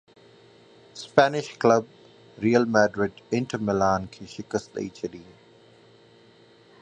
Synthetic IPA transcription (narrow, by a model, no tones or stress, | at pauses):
spɛːnɪʃkləb̚ | ɾiːəlmɛːɖɾɪɖɪ̃ɳʈəmɪlaːnkʰeːʃɪkəst̪lə̰it͡ʃʰɐliː